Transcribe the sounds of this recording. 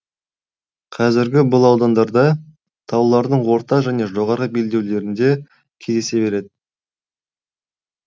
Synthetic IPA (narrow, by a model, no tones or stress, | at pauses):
qʰɑzɪɾɡʲɪbʊlˠɑwd̪ɑnd̪ɑɾd̪ɑ | t̪ʰɑwlˠɑɾd̪əɴwo̞ɾt̪ɑʒæne̞ʒo̞ʁɑɾʁəbe̞ld̪e̞wle̞ɾɪnd̪e̞ | kʲʰezese̞be̞ɾe̞d̪ɪ